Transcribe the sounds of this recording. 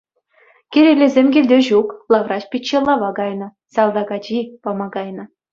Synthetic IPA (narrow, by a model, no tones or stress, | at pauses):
kʲeɾʲelʲezʲemʲɡʲilʲdʲeʑuklˠɑʋrɑt͡ɕpʲit͡ɕːelˠɑʋɑɡɑjnɤ̆ | sɑlˠd̪ɑɡɑd͡ʑipɑmɑɡɑjnɤ̆